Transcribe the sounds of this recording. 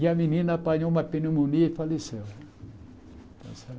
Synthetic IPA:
jamininapaɲomapinumuniefaliseo | ta̰sa

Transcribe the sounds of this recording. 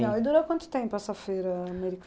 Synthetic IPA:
ãwɪd̪uɾowkwɐ̃nt̪ʊ̥t̪ẽmpʊɛsɐfejɾɐɐmeɾikʰ

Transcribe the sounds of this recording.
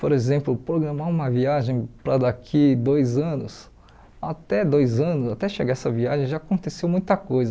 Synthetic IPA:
poɾezẽmplʊpɾoɡɾɐ̃maũmɐviaʒẽj̃pɾɐd̪akʰid̪ojzɐ̃nʊs | at̪ɛd̪ojzɐ̃nʊzat̪ɛʃeɡaɛsɐviaʒẽj̃ʒaːkõnt̪esewmũj̃t̪ɐkojzɐ

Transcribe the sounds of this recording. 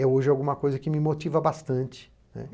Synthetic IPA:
ɛoʒɛawɡũmɐkojzɐkɪmɪmot͡ʃivɐbast̪ɐ̃nt͡ʃɪ̥ | nɛ̰

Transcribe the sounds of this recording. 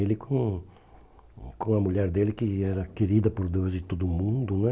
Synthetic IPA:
elɪkʰõ | kõɐmuʎɛɾd̪elɪkɪɛɾɐkeɾid̪ɐpoɾd̪ewzd͡ʒ̪ɪt̪od̪ʊmũnd̪ʊnɛ̃

